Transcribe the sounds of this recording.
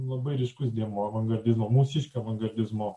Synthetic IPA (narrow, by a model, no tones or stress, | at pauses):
lˠɐbɐɪɾʲɛɪʃkʊsd̪ʲiɛmoːɐʋɐŋɡɐɾʲd̪ʲɪzmoːmuːsʲiʃʲkʲoɐʋɐŋɡɐɾʲd̪ʲɪzmoː